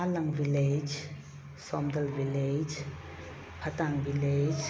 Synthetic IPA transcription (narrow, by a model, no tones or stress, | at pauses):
alaŋviled͡ʒ | sɔmd̪əlviled͡ʒ | pʰat̪aŋviled͡ʒ